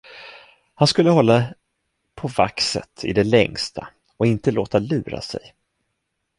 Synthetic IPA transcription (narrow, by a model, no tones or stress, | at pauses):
hanskɵlːəhɔlːa | pʰɔva̰ksə̰t̪ʰɪd̪ɛlɛŋst̪ʰa̰ | ɔɪnt̪əloːt̪alʉ̟ːɾa̰sɛ̰j